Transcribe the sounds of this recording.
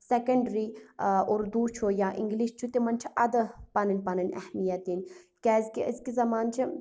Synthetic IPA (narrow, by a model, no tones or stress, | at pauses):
sɛkɐɳɖɾioɾd̪uːt͡ʃʰojaʔḭŋɡliʃt͡ʃʰut̪emɐnt͡ʃʰiʔɐd̪ɨpɐnɐnʲpɐnɐnʲɛ̰hmijɐt̪in | kʲɛːzkiəzkizɐmaːnt͡ʃʰi